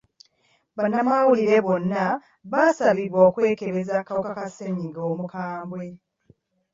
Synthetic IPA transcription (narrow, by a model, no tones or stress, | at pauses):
βanːamawuliɾe̞βo̞nːa | βasaβiɾwoːkwe̞ːke̞βe̞zakawokakaseɲiŋɡoːmukaːmbwe̞